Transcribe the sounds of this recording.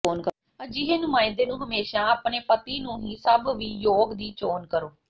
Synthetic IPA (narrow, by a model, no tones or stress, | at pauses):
oːnk | d͡ʒiɦeːnʊmãːɪ̃d̪eːnũːɦəmeːʃãːəːpneːpət̪iːnũːɦiːsəbʋiːjoːɡd̪iːt͡ʃoːnkəɾoː